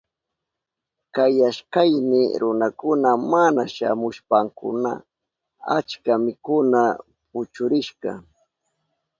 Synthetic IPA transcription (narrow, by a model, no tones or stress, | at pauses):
kajaʃkajnɪɾʊnakʊnamanaʃa̰mʊʃpaŋkʊ̰na̰ | a̰t͡ʃkamɪkʊna | pʊt͡ʃʊɾɪʃkɑ̰